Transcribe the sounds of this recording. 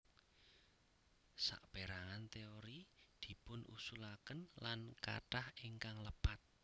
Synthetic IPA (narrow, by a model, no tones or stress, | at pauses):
sa̰ʔb̥eɾaŋant̪eoɾid̪̥i̤pʊnʔṵsulakənlanka̰ʈahiŋkaŋləpat̪̚